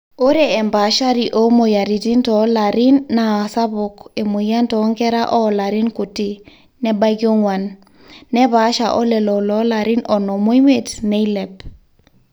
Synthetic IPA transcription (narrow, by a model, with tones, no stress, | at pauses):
o˦ɾe˨ɛ˨mba˨˦ʃa˦ɾi˨ʔo˨˦mo˨ja˨ɾi˨ti˦ntɔ˨˦la˨ɾi˦nːa˨a˨sa˦βʊ˨ke˨mo˨ja˦ntɔ˨˦ŋkɛ˦ɾa˦ʔɔ˦la˨ɾi˦nku˨ti˦ | nɛ˦ba˦ɡi˦o˦ŋwa˨nː | ɛ˦βa˨˦ʃa̰˨ʔɔ̰˦lɛ˨lɔ˨lɔ˨˦la˨ɾi˦nɔ˨nɔ˨mo˦i˦me˨tne˦i˦lɛ˨p